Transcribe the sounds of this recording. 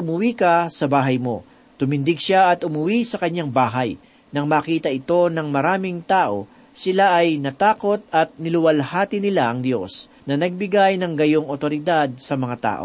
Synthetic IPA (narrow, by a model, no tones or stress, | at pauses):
ʊmʊwiːkɐsɐbaːɦɐjmo̞̰ | t̪ʊmɪnd̪ɪɡʃaɐt̪ʊmʊwisɐkɐɲaŋbaːɦɐj | nɐŋmaːkiːt̪ɐʔɪt̪o̞nɐŋmɐɾaːmɪŋt̪aːʔo̞ | sɪlaʔɐjnɐt̪aːko̞t̪̚ɐt̪̚nɪlʊwɐlhaːt̪ɪnɪlaʔɐŋd̪jo̞̰s | nɐnɐɡ̚bɪɡajnɐŋɡɐjoŋʔot̪o̞ɾɪd̪ad̪̚sɐmɐŋat̪a̰ːʔo̰